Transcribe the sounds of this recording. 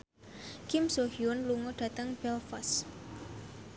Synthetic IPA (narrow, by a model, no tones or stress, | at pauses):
kimsohiʊnluŋɔɖ̥ä̤t̪əŋb̥ɛlfɔs